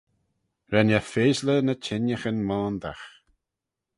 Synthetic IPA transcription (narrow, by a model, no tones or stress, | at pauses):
ɾɛnafeːzlənət͡ʃʰɪnjəxənmaːnd̪a̰x